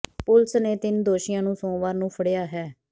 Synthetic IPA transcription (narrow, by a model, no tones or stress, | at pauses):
pʊlsneːt̪ɪnd̪oːʃɪjãːnũːsõːʋaːɾnũːpʰəɽejaːɦɛː